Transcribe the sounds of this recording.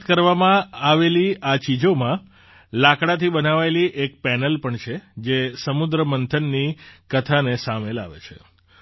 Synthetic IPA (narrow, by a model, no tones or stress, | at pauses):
t̪kəɾʋamãaʋeliat͡ʃid͡ʒomã | lakɽat̪ʰibənaʋaeliʔekpɛnəlpəɳt͡ʃʰed͡ʒesəmud̪ɾəmənt̪ʰənːikət̪ʰanesamela̰ʋḛt͡ʃʰḛ